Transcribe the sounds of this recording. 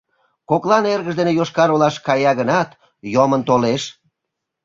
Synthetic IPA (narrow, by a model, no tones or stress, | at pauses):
koklɑnerɣəʒd̪enejoʃkɑɾolɑʃkɑjɑɣənɑt̪ | jomənt̪oleʃ